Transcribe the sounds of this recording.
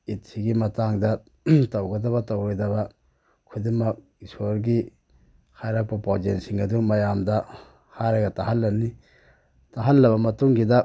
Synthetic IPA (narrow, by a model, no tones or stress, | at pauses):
itsiɡimɐtaŋdɐ | tɐwɡɐdɐβɐtɐwɾojdɐβɐ | kʰudiŋmɐk̚ | isoɾɡi | kʰajɾak̚pɐpad͡ʒensiŋɐdumɐjamdɐ | haɾɐɡɐtaɦɐlːɐni | taɦɐlːɐβɐmɐtuŋɡidɐ